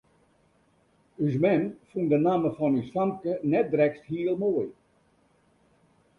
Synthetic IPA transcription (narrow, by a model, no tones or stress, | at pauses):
ys̬mɛnfundənaːməfɔnysfaŋkənɛt̚drɛksthiəlˠmoːj